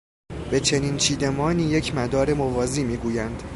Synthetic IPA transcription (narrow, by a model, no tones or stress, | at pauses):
be̞t͡ʃʰe̞nint͡ʃʰiːd̪e̞mɒːniːje̞cʰmæd̪ɒːɾe̞movɒːziːmiːɡuːjænd̪̥